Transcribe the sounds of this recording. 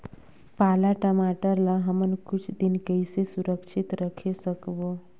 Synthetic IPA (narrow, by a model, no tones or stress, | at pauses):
palaʈəmaʈəɾlaɦəmənkut͡ʃʰd̪inkəjsesuɾəkʃʰit̪ɾəkʰesəkbo